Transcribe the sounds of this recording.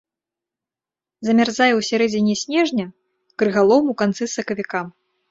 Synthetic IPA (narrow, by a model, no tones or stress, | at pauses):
zɐmʲarzajɛwsʲaɾɛd͡zʲinʲisʲnʲɛʐnʲɐ | kɾɨɣalˠɔmukant̪sɨsɐkɐvʲikam